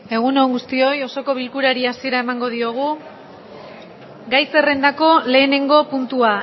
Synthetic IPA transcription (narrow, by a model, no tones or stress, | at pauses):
e̞ɣ̞uno̞ŋɡust̪io̞jo̞so̞ko̞βilkuɾaɾiasie̞ɾae̞maŋɡo̞ð̞io̞ɣ̞u | ɡajse̞re̞nd̪ako̞le̞ːne̞ŋɡo̞punt̪ua